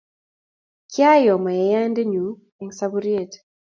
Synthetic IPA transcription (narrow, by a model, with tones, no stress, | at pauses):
kja˦jɔ˨ma˨jɛ˨˦ja˦nde˦ɲu˨ | ɛ˨˦ŋsa˦bu˦ɾije˦˨t